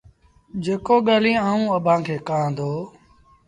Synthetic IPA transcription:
d͡ʒeːkoːɠaːlĩːaːũːəbʱãːkʰeːkãːd̪oː

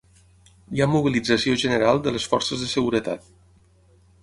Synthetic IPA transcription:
iamuβ̞ilid͡zəsioʒənəɾalˠd̪ələsfɔrsəzðəsəɣuɾət̪a̰t̪̚

